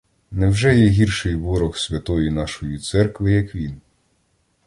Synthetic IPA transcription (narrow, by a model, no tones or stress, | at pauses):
nɛwʒɛjɛɦʲirʃɪjʋɔɾɔxsʲʋʲɐt̪ɔjinɑʃɔjit̪sɛrkʋɪjɐkʋʲin